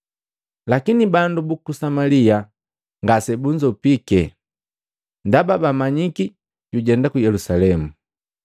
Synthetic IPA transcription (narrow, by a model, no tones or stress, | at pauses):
lakinibandubukusamalia | ŋɡasɛbuɲd͡ʒɔpikɛ | ndababamaɲiki | ɟuɟɛndakujɛlusalɛmu